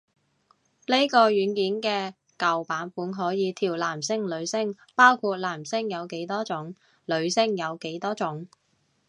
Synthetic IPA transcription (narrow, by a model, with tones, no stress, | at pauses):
le˥jkɔː˧ɥyː˨˥nkiː˨˥nkɛː˧ | kɐ˨wpaː˨˥nfuː˨˥nɦɔː˨˥jiː˨˧t̪ʰiː˨˩wlaː˨˩msɪ˥ŋlɵ˨˧ɥsɪ˥ŋ | paː˥wkʰuː˧t̚laː˨˩msɪ˥ŋjɐ˨˧wke˨˥jt̪ɔː˥t͡sʊ˨˥ŋ | lɵ˨˧ɥsɪ˥ŋjɐ˨˧wke˨˥jt̪ɔː˥t͡ʃʊ˨˥ŋ